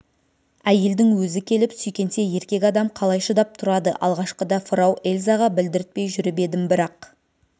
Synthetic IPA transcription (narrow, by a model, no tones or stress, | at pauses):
æje̞ld̪ɪŋwɵzɪkʲʰe̞lɪpsʏjkʲe̞nt̪e̞je̞ɾkʲe̞kʲɑd̪ɑmqʰɑlˠɑjʃəd̪ɑp̚t̪ʰʊɾɑd̪əʔɑ̰lˠʁɑʃqəd̪ɑfʊɾɑwe̞lʲzɑʁɑbɪld̪ɪɾɪt̪̚pe̞jʒʏɾɪbe̞d̪ɪmbɪɾɑq